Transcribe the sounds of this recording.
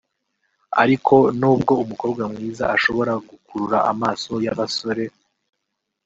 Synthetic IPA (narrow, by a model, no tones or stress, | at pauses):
a̰ɾikʰo̞nuːbɡo̞umuko̞ːbɡwamŋiːza̰ʔaʃo̞βo̞ɾaɡukuɾuɾa̰a̰maːso̞jaβaso̞ɾe̞